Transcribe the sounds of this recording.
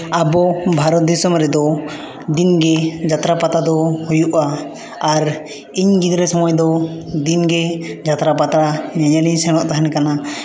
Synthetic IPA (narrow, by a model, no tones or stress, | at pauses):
abɔbʱaɾɔt̪̚d̪isɔmɾɛd̪ɔ | d̪inɡɛd͡ʒat̪ɾapat̪ad̪ɔhujuʔaː | ɾ | iɲɡid̪ɾɛsɔmɔjd̪ɔ | d̪inɡɛd͡ʒat̪ɾapat̪ɾaɲaɲalisɛñɔʔt̪aɦɛnkana